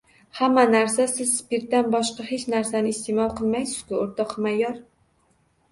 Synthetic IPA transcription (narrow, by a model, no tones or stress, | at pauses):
hamːanaɾsasɪzspɪɾt̪ːanbɒʃqɑhet͡ʃnaɾsanɪst̪emɒlˠqʰɨlˠmajsɪ̥z̥kʲʊoɾt̪ʰɒqmajɒɾ